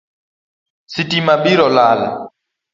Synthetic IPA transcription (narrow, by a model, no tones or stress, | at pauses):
sitimaɓiɾɔlaːla̰